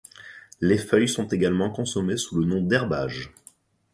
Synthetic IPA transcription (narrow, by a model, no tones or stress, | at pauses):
lefœjsɔ̃t̪eɡalmɑ̃kɔ̃sɔmesulənɔ̃d̪ɛʁbaʒ